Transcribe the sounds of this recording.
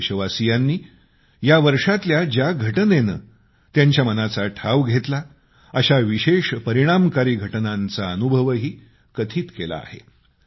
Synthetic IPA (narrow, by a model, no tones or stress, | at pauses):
ɕəʋasijanːiː | jaʋəɾʂat̪ljad͡ʑjaɡʱəʈənenə̰ | t̪jaɲt͡ɕjamənat͡saʈʰaʋɡʱet̪la | əɕaʋiɕeʂpəɾiɽ̃amkaɾiːɡʱəʈnant͡saənubʱəʋəɦiː | kət̪ʰiːt̪kela̰ːhḛ